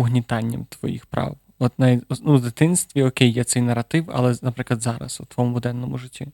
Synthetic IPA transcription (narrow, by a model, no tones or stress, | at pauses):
ʊɦnʲit̪ɑnʲːɐ̰mt̪ʋɔ̰jḭxpɾɑ̰w | ɔt̪nɐnuwd̪ɪt̪ɪnst̪ʋʲiɔkʲejːɛt̪sɛjnɐrɐt̪ɪwɐ̰lˠɛnɐpɾɪklɐd̪zɑɾɐ̰sut̪ʋɔmʊd̪ɛnːɔmʊʐɪtʲːi